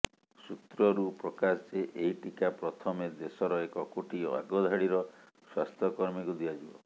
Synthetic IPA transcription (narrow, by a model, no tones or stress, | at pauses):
sut̪ɾɔɾupɾɔkast͡ʃeʔeɦiʈikapɾɔt̪ʰɔmed̪esɔɾɔekɔkoʈio̰a̰ɡɔd̪ʱaɽiɾɔ | swast̪ʰɔkɔɾmikud̪iad͡ʒibɔ̰